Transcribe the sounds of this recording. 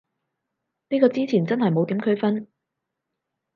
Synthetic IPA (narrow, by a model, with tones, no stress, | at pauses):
niː˥kɔː˧t͡siː˥t͡sʰiː˨˩nt͡sɐ˥nɦɐ˨jmo˨˧wt̪iː˨˥mkʰɵ˥ɥfɐ˥n